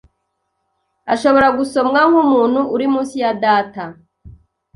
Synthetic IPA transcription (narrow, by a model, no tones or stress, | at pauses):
aʃo̞βo̞ɾaɡuso̞mŋaŋ̥humuːn̥huʔːɾimuːsijadaːta